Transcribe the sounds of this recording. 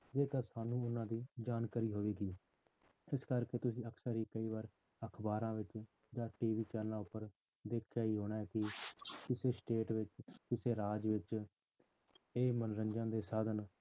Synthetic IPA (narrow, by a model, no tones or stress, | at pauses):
d͡ʒeːk̪əɾsaːnũːʊnãːd̪iːd͡ʒaːnkaːɾiːɦoːʋeːɡiː | ɪskəɾkeːt̪ʊsĩːəksəɾɦiːkəiːʋaːɾ | əkʰbaːɾãːʋɪt͡ʃ | d͡ʒãːʈiːʋiːt͡ʃɛːɾnãːʊpːəɾ | d̪eːkʰjaːiːɦoːɽaːɛːkɪkɪseːsʈeːʈʋɪt͡ʃkɪseːɾaːd͡ʒʋɪt͡ʃ | eːmənɾəɲd͡ʒãːd̪eːsaːd̪ən